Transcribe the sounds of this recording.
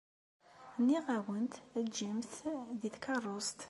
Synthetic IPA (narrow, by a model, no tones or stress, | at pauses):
nːiʁæwənt̪æd͡ʒimθðiθkʰɑrˤːost̪